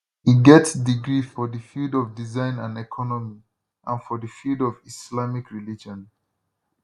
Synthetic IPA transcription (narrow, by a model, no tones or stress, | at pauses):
iɡɛtsdiɡɹifɔðəfildɔvdizãɪ̃nãnɛkʰɔnɔmi | ʔãnfɔðəfildɔvislamikɹilid͡ʒɔ̃n